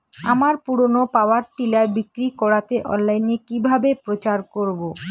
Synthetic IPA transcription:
amaɾpuɾonopaoaɾʈilaɾbikɾikɔɽat̪eʔɔ̰nlajnekibʱabepɾot͡ɕaɾkoɾbo

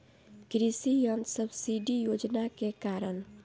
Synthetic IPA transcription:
kɾisijənd̪səbsiɖijod͡ʒnakekaɾən

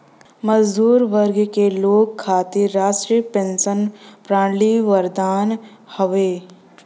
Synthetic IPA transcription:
məd͡ʒd̪uːɾʋəɾɡkeloːkʰːaːt̪eɾaːʃʈɾipẽnsənpɾaːɳliʋəɾd̪aːn | həʋeː

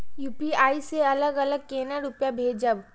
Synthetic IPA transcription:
juːpiaːiseɐləɡɐləɡ̚keːnaɾʊpjabʱeːd͡ʒəb

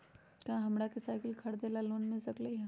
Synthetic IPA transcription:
kãɦɐmɽakesaːɪkɪlkʰɐɽd̪eːlaloːnmɪlsɐkleiɦã

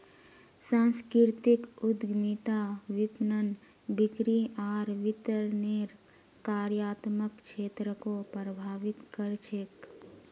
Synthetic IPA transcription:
sãːnskɾɪɾt̪ɪkʊd̪ɡmit̪aʋɪpnən | bɪkɾiaːɾʋɪt̪əɾneɾ | kaːɾjaːt̪məkt͡ʃʃʰeːt̪ɾəkopɾəbʱaːʋɪt̪kəɾt͡ʃʰek

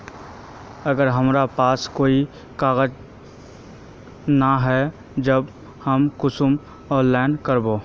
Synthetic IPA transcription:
ɐɡəɾɦɐmɾapaːskoːi | kaːɣəd͡ʒ | naɦɛ | d͡ʒəb | həmkʊsʊm | ɔːnlaːɪnkəɾboː

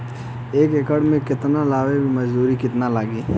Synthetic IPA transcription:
eːkekəɽmẽkɪt̪nalaːʋebʱimɐd͡ʒduːɾikɪt̪nalaːɡiː

